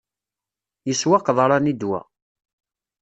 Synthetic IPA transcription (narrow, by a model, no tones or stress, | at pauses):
jəswaqðˤɾˤɑnid̪wæ̰